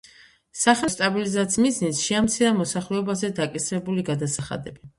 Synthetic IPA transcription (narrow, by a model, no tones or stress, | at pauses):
saχɛst̪ʼabilizat̪smiznisʃiamt̪sʰiɾamɔsaχlɛɔbazɛd̪akʼisɾɛbuliɡad̪asaχa̰d̪ɛbi